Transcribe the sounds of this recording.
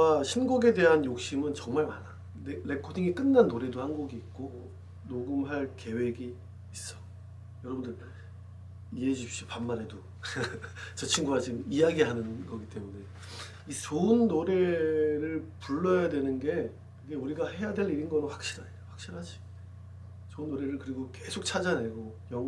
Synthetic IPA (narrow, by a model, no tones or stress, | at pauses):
aɕʰinɡuɡe̞de̞ɦanjok̚ɕ͈imɯnt͡ɕʌŋmaɭmana | nele̞kʰodiŋik͈ɯnːanːoɾe̞dohanɡuɡiːk̚k͈o | noɡɯmɦaɭke̞we̞ɡiː | s͈ʌ̥ | jʌɾʌbundɯɭ | ieɕip̚ɕ͈ipamːaɾe̞do | t͡ɕʌt͡ɕʰiŋɡuad͡ʑimijaɡiɦanɯnɡʌɡit͈e̞mune̞ | isounːoɾe̞ɾɯɭpuɭːʌjadwe̞nɯnɡe̞ | iɡe̞uɾiɡahe̞jadwe̞ɾiɾinɡʌɾoɸwak̚ɕ͈iɾɦaoɸwak̚ɕ͈iɾɦad͡ʑi | sounːoɾe̞ɾɯɭkɯɾiɡoke̞sʰok̚t͡ɕʰad͡ʑane̞ɡo | jʌŋ